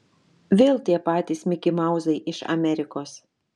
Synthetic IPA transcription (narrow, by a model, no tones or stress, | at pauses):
ʋʲeːlˠt̪ʲiɛpɑːt̪ʲiːsmʲɪkʲɪmɑˑʊzɐɪʔɪʃɐ̰mʲɛɾʲɪkoːs